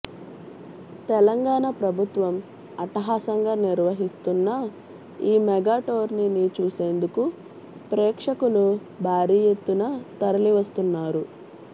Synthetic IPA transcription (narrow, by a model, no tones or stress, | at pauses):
t̪ɛlɐŋɡaːɳɐpɾɐbʱut̪ʋɐm | ɐʈɐɦaːsɐŋɡaːniɾʋɐɦist̪unːɐ | iːmɛɡaːʈoːɾninit͡ʃuːse̞ːnd̪uku | pɾɛːkʂɐkulu | bʱaːɾiːjet̪ːunɐt̪ɐɾɐliʋɐst̪unːaːɾu